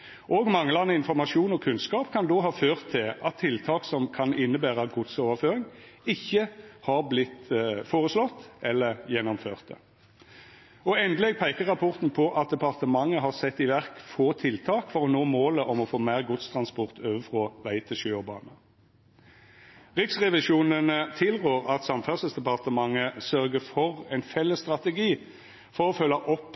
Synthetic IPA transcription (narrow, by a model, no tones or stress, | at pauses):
ʔoːɡmɑŋːəlɑnəɪnfɔʁmɑʂuːnɔkʰʉnskɑːpkʰɑnd̪oːɦɑːføːʁt̪ʰːɪlʔɑt̪ʰːɪlt̪ʰɑːksɔmkʰɑnɪnːəbæːʁəɡʊt̪soːʋəɾføːʁɪŋɪçːəhɑʁblɪt̪foːʁəslɔt̪ːʔɛlːəʁjɛnːɔmfø̰ːʁt̪ə | ɔɛnd̪əlɛɡ̚pʰæɪkəʁɑpʰɔʁt̪n̩pʰɔʔɑt̪̚d̪ɛpɑʁt̪əmɑŋːəɦɑʁsɛt̪ːɪʋæʁkfoːt̪ʰɪlt̪ʰɑːkfɔʁɔnoːmoːləʔɔmɔfoːmæːʁɡʊt̪st̪ʰʁɑnspɔʁt̪ʰøːʋəfʁɔːʋæɪt̪ʰɪlʃøːɔbɑ̰ːnə | ʁɪksʁɛʋɪʃuːnənət̪ʰɪlʁøːʁɑt̪sɑmfœʁsəsd̪ɛpɑʁt̪əmɑŋːəsœʁɡəfɔʁɛɪnfɛlːəst̪ʁɑt̪əɡiː | fɔʁɔfœlːɑʔɔpː